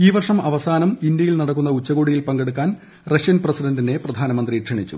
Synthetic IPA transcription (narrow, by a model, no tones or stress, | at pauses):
iːʋɐrʂɐmɐʋɐsaːnɐmind̪jɐjilnɐɽɐk̬ːunːɐut͡ɕːɐɣoːɽijilpɐŋɡeɽukːaːn | rɐʂjɐnprɐsidɐndine̞prɐd̪ʱaːnɐmɐnd̪riʈʂʰɐɳit͡ɕːṵ